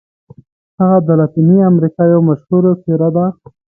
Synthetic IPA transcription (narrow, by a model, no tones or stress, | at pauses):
haɣad̪alat̪iniamɾikɑjowmaʃhuɾopeɾad̪a